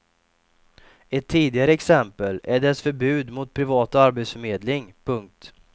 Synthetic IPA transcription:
ɛt̪ʰːiːd̪ɪɡaɾəɛksɛmpəlæɖɛsfœɾbʉ̟ːd̪mʊt̪̚pʰɾɪvɑːt̪aaɾbet̪sfœɾmeːd̪lɪŋpʰɵŋk̚t̪

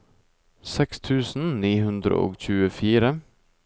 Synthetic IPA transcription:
sɛkst̪ʰʉːsn̩niːhʉnd̪ɾə̰ʔo̰ːçʉːəfiːɾə

